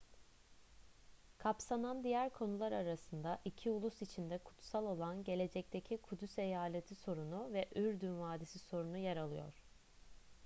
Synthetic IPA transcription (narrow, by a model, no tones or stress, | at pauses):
kʰapsanand̪ijæɾkʰo̞nulˠaɾaɾasɯnd̪aʔicʰiulˠusit͡ʃʰind̪ɛkʰu̥t̪salˠo̞lˠanɟe̞lʲe̞d͡ʒɛc̚t̪ʰecʰikʰud̪yse̞jaːlʲet̪ʰiso̞ɾunuvɛʔyɾd̪ynvaːd̪isiso̞ɾunujaɾalˠɯjo̞̰ɾ̝̥